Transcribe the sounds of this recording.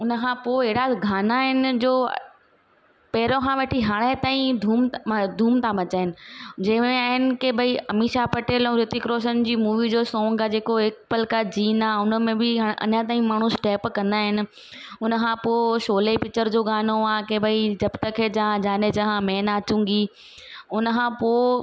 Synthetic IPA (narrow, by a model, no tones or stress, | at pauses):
ʊnəkʰãpoɦɪɽaɡʱaːnaɦɪnɪ̆d͡ʑo̰ː | pɛɦɪɾokʰãʋɐʈʰiɦaːɽ̃et̪aːĩd̪ʱuːmd̪ʱuːmt̪ʰãbɐt͡ɕaːɦɪnɪ̆d͡ʑɐ̃ɦɪ̃mẽaːɦɪnɪ̆kebʱɐiɐmiːʃapɐʈeːl̃ɾɪt̪ikɾoːʃənɪ̆d͡ʑiːmuːʋid͡ʑoːsɔ̃ːŋɡad͡ʑeːkoɦɪk̚pɐlkad͡ʑiːnaːʊnəmẽbɪɦɐ̰ɲat̪aːĩmaːɳ̤̃ũsʈeːpkɐ̃nd̪aːɦɪnɪ̆ | ʊnə̆kʰãpoːʃoːlepɪt͡ɕəɾd͡ʑoːɡaːnoaːkebʱɐid͡ʑɐbt̪əkʰed͡ʑɐɦãd͡ʑaːned͡ʑɐɦãmẽːnaːt͡ɕũːŋɡi | ʊnkʰãpoː